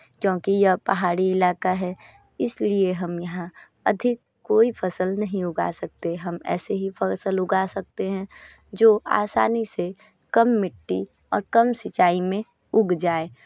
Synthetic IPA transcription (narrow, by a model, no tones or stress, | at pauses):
kjõːkijɐpɐɦaːɽiɪlaːkaɦɛ | ɪslieɦɐmjɐɦã | ɐd̪ʱɪkːoːipʰɐsəlnɐɦĩʊɡa̰ːsɐk̚t̪eɦɐmɛ̰ːseɦipəsəlʊɡaːsɐk̚t̪eɦɛ̃ | d͡ʒoːʔa̰ːsa̰ːnise | kɐmːɪʈːi | ɔ̰ːɾkɐmsɪt͡ʃaːimẽ | ʊɡd͡ʒaːeː